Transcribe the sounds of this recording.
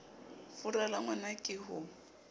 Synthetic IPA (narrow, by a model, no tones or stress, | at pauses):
fʊralaŋwɛnakʼɪɦʊ